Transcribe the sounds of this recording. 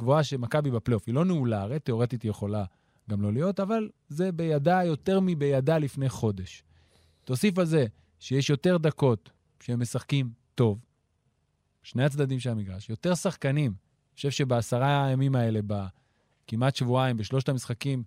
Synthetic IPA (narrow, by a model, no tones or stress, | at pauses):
ɡ̥voaʃemakabibapleofilo̞neulaʁit̪ːe̞o̞ʁe̞t̪it̪jeχo̞la | ɡamlo̞lijo̞taval | ze̞be̞jadajo̞te̞ʁmibe̞jadalifne̞jχo̞de̞ʃ | tosifalze̞ | ʃejeʃjo̞te̞ʁd̪ako̞t | ʃeemːesaχkimto̞v | ʃne̞jat͡sd̪ad̪imʃ̬elamiɡʁaʃjo̞t̪e̞ʁsaχkanim | oʃe̞vʃe̞beasaʁajamimae̞le̞ba | kimatʃvuaimbeʃlo̞ʃtamisχakim